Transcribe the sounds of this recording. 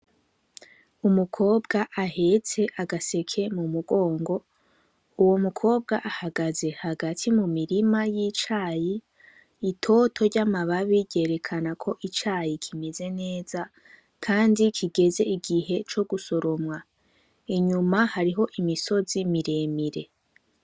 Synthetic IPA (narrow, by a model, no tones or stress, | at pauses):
umukʰo̞ːbɡaʔahe̞t͡se̞ʔaɡase̞kʰe̞mumuɡo̞ːŋɡo̞ | uwo̞mukʰo̞ːb̚ɡaʔahaɡaze̞haɡatʰimumiɾimajit͡ʃaːjiː | tʰo̞tʰo̞ɾɟamaβaβiɟe̞ɾe̞kʰanakʰo̞ʔit͡ʃaːjikʰimeze̞ne̞ːz̥a | kʰaːndikʰiɡe̞ze̞iɡiɦe̞t͡ʃo̞ɡuso̞ɾo̞mŋa | iɲumahaɾiɦo̞ʔimiso̞zimiɾe̞ːmiɾe̞̰